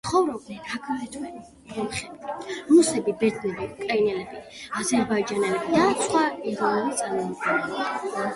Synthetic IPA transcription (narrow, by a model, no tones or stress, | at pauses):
sχɔvɾɔb̚nɛɾakʰaɛt̪ʰwɛni | kɔmχɛbiɾusɛbibɛɾt̪ʰnɛbiukʼɾainɛlɛbi | azɛɾbaid͡ʒanɛlɛbid̪asχwaiʁɔnɛbit̪sʼaɾmɔmɔd̪ɡɛnɛi